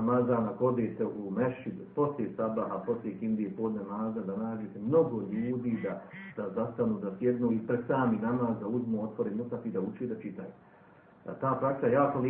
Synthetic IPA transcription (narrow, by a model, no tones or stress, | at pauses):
mazaːnako̞d̪eːt̪eʔumeʃid̪po̞slʲesabaɦapo̞slʲjekind̪iepoːd̪namaːzad̪anaːd͡ʒet̪emno̞ɡo̞ʎuːd̪iːd̪ad̪̥azast̪anuːd̪asje̞d̪nuːipɾed̪̥saːminamaːzd̪auzmuːo̞t̪ʋo̞ɾemut̪at̪id̪aut͡ʃed̪at͡ʃit̪aju | a̰t̪aːpɾaksajaːkoli